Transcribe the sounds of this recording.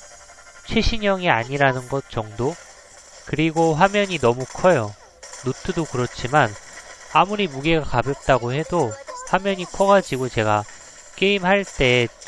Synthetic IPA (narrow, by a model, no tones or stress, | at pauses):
t͡ɕʰweɕʰiɲʌŋiaɲiɾanɯnɡʌt̚t͡ɕ͈ʌŋdo | kɯɾiɡoɸwamjʌɲinʌmukʰʌjo | nutʰɯdokɯɾʌt͡ɕ͈ʰimanamuɾimuɡe̞ɡakabjʌp̚t͈aɡoɦe̞dohamjʌɲikʰʌɡad͡ʑiɡot͡ɕe̞ɡa | k͈e̞imɦaɭt͈e̞